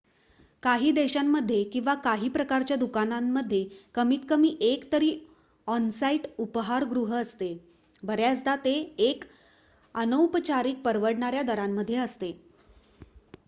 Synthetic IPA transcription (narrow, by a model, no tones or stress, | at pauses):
kaɦiːd̪eɕamːəd̪ʱːjekĩw̃ʋakaɦiːpɾəkaɾt͡ɕjad̪ukanamːəd̪ʱːjekəmiːt̪kəmiːʔekt̪əɾiː | ɔnsaiʈupəɦaɾɡɾuɦəəst̪e | bʱəɾjad͡zd̪at̪eːk | ənəwpət͡ɕaɾiːk̚pəɾʋəɽɳaɾjad̪əɾamːəd̪ʱːjeəst̪e